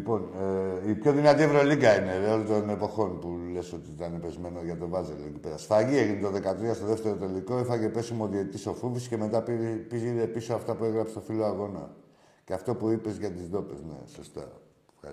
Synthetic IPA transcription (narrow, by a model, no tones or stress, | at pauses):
lipo̞neipço̞ðinat̪ievɾo̞liɡɐineðeolot̪o̞ne̞po̞xo̞npule̞so̞t̪iit̪ɐnepezme̞noʝɐt̪o̞vɐzelecipe̞ɾɐst̪ɐʝieʝinit̪o̞ðe̞kat̪ɾiɐst̪oðeft̪e̞ɾo̞t̪e̞liko̞ixɐce̞pe̞simoðieit̪iso̞fufisce̞me̞t̪ɐppiziɾepisoaft̪ɐpue̞ɣɾɐpse̥t̪o̞filo̞aɣo̞nɐ̰ | ceɐft̪o̞puipe̞zʝɐt̪izðo̞pe̞zne̞̰so̞st̪ɐ̰ | fxɐɾ